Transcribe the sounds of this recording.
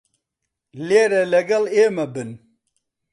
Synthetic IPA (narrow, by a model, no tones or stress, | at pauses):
leːɾɛlɐɡɐleːmɐbɨn